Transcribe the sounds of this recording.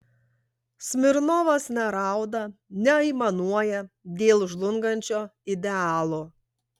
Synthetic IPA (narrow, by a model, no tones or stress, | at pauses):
sʲmʲɪɾnoːʋɐsnʲɛɾɑˑʊd̪ɐnʲɛɐɪmɐnuɔjɛd̪ʲeːlˠʒlˠʊŋɡɐnʲt͡ʃʲoːɪd̪ʲɛɑːlˠoː